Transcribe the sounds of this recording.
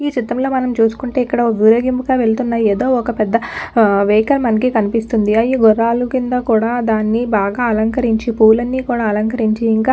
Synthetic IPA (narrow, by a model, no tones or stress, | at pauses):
iːt͡ʃit̪ːɐmlo̞ːmɐnɐmt͡ʃuːsu̥kuɳʈe̞ːikːɐɽɐoʋiɾoːɡimpuɡaːʋe̞ɭt̪unːaːjeːd̪o̞ːɔkɐpɛd̪ːɐʋejkɐlmɐnɐk̬ikɐnipist̪und̪iɐjiɡɔɾːaːlukind̪akuːɽaːd̪aːnːibaːɡaːɐlɐŋkɐɾiɲt͡ʃipuːlɐnːiːkuːɽaːɐlɐŋkɐɾiɲt͡ʃiːŋkaː